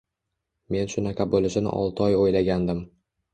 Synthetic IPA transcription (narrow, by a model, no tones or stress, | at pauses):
me̞nʃʊnakʰʲabolɪʃɪnɪ̰ʔɒ̰lˠt̪ʰɪɒjojlaɡʲand̪ɪm